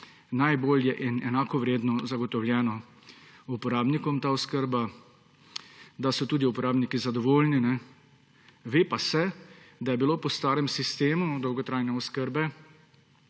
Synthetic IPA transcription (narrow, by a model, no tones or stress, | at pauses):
najboːljɛʔinɛnaːkɔʋɾeːd̪nɔzaɡɔt̪ɔwljɛːnɔ | upɔɾaːbnikɔmt̪aːɔskəɾba | d̪asɔt̪uːd̪iupɔɾaːbnikizad̪ɔʋoːlninɛ | ʋeːpasɛd̪ajɛbiloːpɔst̪aːɾɛmsist̪eːmud̪ɔwɡɔt̪ɾajnɛɔskəɾbɛ